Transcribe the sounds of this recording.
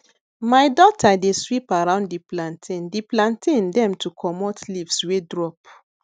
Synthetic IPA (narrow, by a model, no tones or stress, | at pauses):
majdɔtʰadeswipaɹãʊ̃nddiplãntʰĩndiplãntʰĩndɛ̃mtʰukʰɔmɔtlivswedɹɔp